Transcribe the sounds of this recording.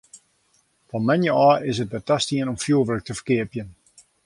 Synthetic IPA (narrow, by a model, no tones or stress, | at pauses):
fɔnmɛnjəɔːɪsət̚bətastiənɔmfjuəʋələk̚təfə̥rkɪəpjən